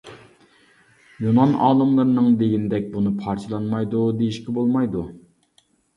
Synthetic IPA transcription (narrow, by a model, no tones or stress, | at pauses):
junɑnɑ̰ːlˠɨmlˠɨɾɨnɨŋd̪eɡʲinɪd̪ɛk̚ʲbunɨpʰɑɾt͡ʃʰɨlˠɑnmɑjd̪ud̪ejiʃkʲibolˠmɑjd̪u